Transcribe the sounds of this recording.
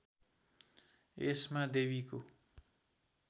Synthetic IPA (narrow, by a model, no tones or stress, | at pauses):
esmad̪eβiko